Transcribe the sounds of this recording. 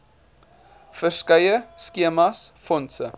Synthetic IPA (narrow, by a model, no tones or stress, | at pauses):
fərskəjəskiəmɑsfɔnsə